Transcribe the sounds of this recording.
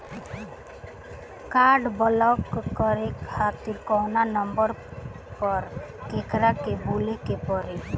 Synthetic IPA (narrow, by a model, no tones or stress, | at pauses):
kaɾɖbɔlɔkːɔɾekhʰat̪iɾkɔnanɔmbəɾ | pɔɾkekɾakebolekepɔɾe